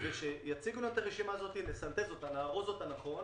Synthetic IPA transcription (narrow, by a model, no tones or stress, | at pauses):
veʃejat͡siɡnuet̪aʁeʃimaːzo̞t̪ilesant̪ezo̞t̪alaːʁozo̞t̪anaχo̞n